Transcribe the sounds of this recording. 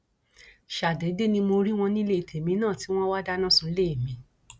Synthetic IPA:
ʃa˨dɛ˨˦de˦nĩ˧mo˧ɾi˦w̃ɔ̃˧nĩ˦le˦i˨tʰe˨mĩ˧˦nãː˦˨ti˨˦w̃ɔ̃˦wa˦da˦nã˦˨sũ˧˨˦le˦˨mĩ˧˦

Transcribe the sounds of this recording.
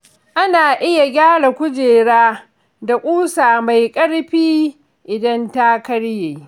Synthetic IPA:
ʔa˦naː˨ʔɪ˦ja˨ɡʲaː˦ɽa˨kʷʊ˦d͡ʒeː˨ɽaː˦ | da˨kʷʼuː˦saː˨ma˨jkʼɐ˦ɽɸiː˦ | ʔɪ˨dɐ˦nta˦kɐ˦ɽjeː˨

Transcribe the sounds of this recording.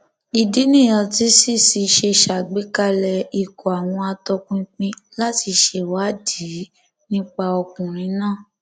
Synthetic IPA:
i˨di˦nĩ˦˨jɔ̃˧ti˦si˦˨si˧ʃe˧˨ʃa˨ɡ͡bi˨˦ka˦lɛ˧i˨ko˨a˨w̃ɔ̃˧a˧tɔ˧kũ˦k͡pĩ˧la˦ti˧ʃe˧wa˨˦di˨˦ | nĩ˦k͡pa˧ɔ˧kũ˨ɾ̃ĩ˨˧˦nãː˦˨

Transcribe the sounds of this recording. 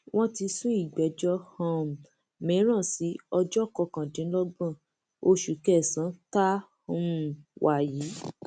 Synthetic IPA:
w̃ɔ̃˦ti˧su˦i˦˨ɡ͡bɛ˨˦d͡ʒɔ˧hã˧˨m˨ | mẽ˨˦ɾ̃ã˦˨si˨˦ɔ˧d͡ʒɔ˦˨kɔ˧˨kã˨dĩ˨˦lɔ˦ɡ͡bã˦˨ | o˧ʃu˨˦kɛ˦˨sã˨˦ta˦ | ũ˦˨wa˨ji˨˦

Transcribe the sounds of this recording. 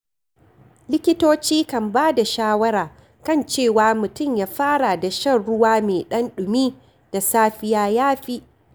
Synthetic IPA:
lɪ˦kʲɪ˦toː˦t͡ʃiː˦kɐ˨mbaː˦da˨ʃaː˦wɐ˦ɽaː˨ | kɐ˦˨nt͡ʃeː˦˨waː˨˦mʊ˨tʊ˦˨mjaː˦ɸaː˦ɽa˨da˨ʃɐ˦˨nɽʊ˦waː˦meː˨ɗɐ˦nɗʊ˨miː˦ | d̥a˨saː˦ɸɪ˦jaː˦jaː˦ɸiː˦

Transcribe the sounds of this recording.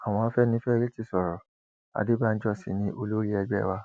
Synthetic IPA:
a˨w̃ɔ̃˧a˧˦fɛ˦nĩ˧˦fɛ˦˧ɾi˦ti˦˨sɔ˨ɾɔ˨ | a̰˨di˦ba˦˨n̩˦d͡ʒɔ˦˨sḭ˨nĩ˦ʔo˧lo˦ɾi˦ɛ˧ɡ͡bɛ˦˨wa˦˧

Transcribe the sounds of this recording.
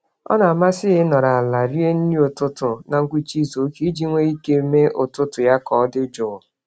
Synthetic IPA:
ɔ̰˦na˨a˨ma˦sɪ˦ɦɪ˦nɔ˨ɾa˨a˨la˨ɾi˦e˦n̩˦di˦o˨tʊ˦tʊ˨na˨ŋ̩˦kʷi˦t͡ʃi˦so˨˦ki˦i˦d͡ʒi˦ŋʷe˦i˦ke˦me˦ʔʊ˨tʊ˦tʊ˨ja˦kɔ˨˦dɪ˦d͡ʒʊ˨ʊ˨

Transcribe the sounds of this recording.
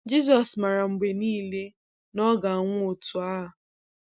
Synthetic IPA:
d͡ʒi˦z̬ɔ˨sma˨ɾa˨ŋ͡m̩˨ɡ͡be˨niː˦le˦ | nɔ˦ɡa˨a˨ŋʷʊ˦o˨tu˨a˦ɦa˨

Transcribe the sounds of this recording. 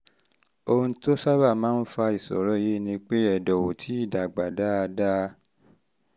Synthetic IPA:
o˧ũ˧to˦sa˦ba˦˨mãː˦n̩˦fa˧i˨sɔ̰˨ɾɔ˦je˦nĩ˧k͡pe˦ɛ˦˨dɔ˨wo˨tʰi˨˦i˦˨da˨ɡ͡ba˨da˦a˧da˦˧

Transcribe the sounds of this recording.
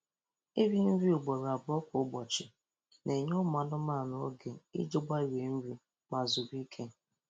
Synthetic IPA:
i˦ɾi˦m̩˦ɾi˦ʊ˨ɡ͡bɔ˨ɾa˨bʊ˨˦ɔ˦kʷʊ˨˦ɡ͡bɔ˨t͡ʃɪ˨ | nʔe˨ɲʊ˦ma˨nʊ˦ma˦˨n˦o˦ɡe˨ḭ˦d͡ʒo˦ɡ͡ba˦i˦ɾe˨n̩˦ɾi˨˦ | ma˨zʊ˨ɾi˦kʰe˦

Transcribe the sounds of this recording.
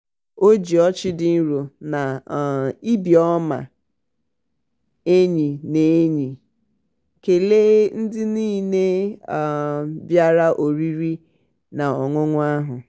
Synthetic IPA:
o˦d͡ʒi˨ɔ˦t͡ʃɪ˦dɪ˨n̩˦ɾo˨na˨ | i˦bi˨ɔ˦ma̰˨ | e˦ɲi˨ne˨e˦ɲi˨ | ke˨le˦n̩˦dɪ˦niː˦ne˦˨ | bja˦ɾa˦ʔo˨ɾi˦ɾi˦ | na˨ɔ˨ŋʷʊ˦ŋʷʊ˦a˦ɦʊ˨

